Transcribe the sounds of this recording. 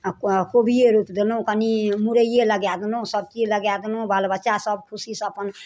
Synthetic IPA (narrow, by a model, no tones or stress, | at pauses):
kobʱijeɾupd̪elõkənimuɾəijeləɡjad̪lõsəb̚t͡ʃiləɡjad̪elobalbətːʃasəbkʰusisəpən